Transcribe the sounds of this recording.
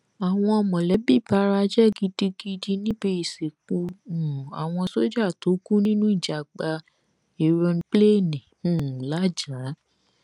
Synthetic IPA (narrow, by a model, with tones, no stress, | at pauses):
a˨w̃ɔ̃˧ɔ˧mɔ̃˨lɛ˨˦bi˦˨ba˨˦ɾa˧˦d͡ʒɛ˦˨ɡi˨˧di˧ɡi˧di˧nĩ˦be˧i˨se˨k͡pu˧ũ˨a˨w̃ɔ̃˧so˦d͡ʒa˦˨to˨˦ku˦nĩ˦nũ˦i˦˨d͡ʒa˨ɡ͡ba˧ | e˨ɾɔ̃˧n̩˧k͡ple˦˨nĩ˨ũ˦˨la˦d͡ʒa˨˦